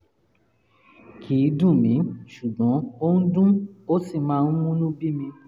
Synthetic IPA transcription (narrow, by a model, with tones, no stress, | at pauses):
kʰiː˨˦dũ˦˨mĩ˨˦ʃu˨ɡɔ̃˨˦o˦ñ̩˦dũ˦o˦si˦˨mãː˨˦˧wũ˦lũ˦bi˦mĩ˧